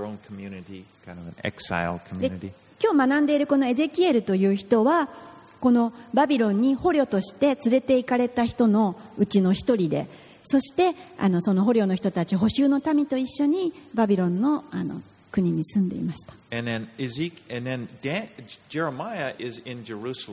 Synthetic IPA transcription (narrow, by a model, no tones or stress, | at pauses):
õʊ̃nkʰmjʉnɨɾikʰãɪ̃ndʌvɨ̃nɛ̰ksa̰ɪlˠkʰm̩jd̪enɨɾḭ | kʲo̞ːmanãnd̪e̞iɾɯ̟ko̞no̞e̞ze̞kʲie̞ɾɯ̟t̪o̞jɯ̟ːçi̥t̪o̞βa | ko̞no̞babʲiɾõ̞ɲ̟ːiho̞ɾʲo̞t̪o̞ɕi̥t̪e̞t͡sɨɾe̞t̪e̞ikaɾe̞t̪açi̥t̪o̞no̞ɯ̟t͡ɕino̞çi̥t̪o̞ɾʲid̪e̞̰ | so̞ɕi̥t̪e̞a̰no̞so̞no̞ɦo̞ɾʲo̞ːno̞çi̥t̪o̞t̪at͡ɕiɦo̞ɕɨːno̞t̪amʲit̪o̞iɕːo̞ɲ̟ibabʲiɾõ̞nːo̞ano̞̰ | kɯ̟ɲ̟iɲ̟isɨ̃nd̪e̞ḭmaɕi̥t̪ḁɨ̃nðɨ̃nɪzikɨ̃nðɨ̃ndæd͡ʒɛɹəmaɪɨʔɪzɪ̃nd͡ʒə˞usl